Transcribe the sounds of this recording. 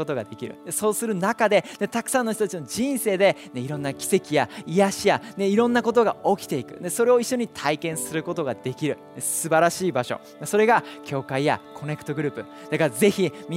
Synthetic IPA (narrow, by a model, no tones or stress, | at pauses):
o̞t̪o̞ɡad̪e̞kʲiɾɯ̟̰d̪eso̞ːsɨɾɯ̟nakad̪e̞ne̞t̪akɯ̟̥sãnːo̞ç̬ʲit̪ot̪ḁt͡ɕino̞d͡ʑĩɰ̃se̞ːd̪e̞ne̞iɾõ̞nːakʲi̥se̞kʲijaijaɕijane̞iɾõ̞nːako̞t̪o̞ɡao̞kʲi̥t̪e̞ikɯ̟̰ne̞so̞ɾe̞o̞iɕːo̞ɲ̟it̪ʰaikẽɰ̃sɨɾɯ̟ko̞t̪o̞ɡad̪̥e̞kʲiɾɯ̟nesɨbaɾaɕiːbaɕo̞̰ | neso̞ɾe̞ɡakʲo̞ːkaija̰kʰo̞ne̞kɯ̟t̪o̞ɡɯɾɯ̟ːpɯ̟ | d̪̥akaɾaze̞çimʲi